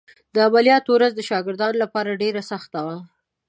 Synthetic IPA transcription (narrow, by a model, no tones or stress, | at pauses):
d̪əabalijɑt̪owɾazd̪əʃɑɡɪɾd̪ɑnlapɑɾaɖeɾasaxt̪awa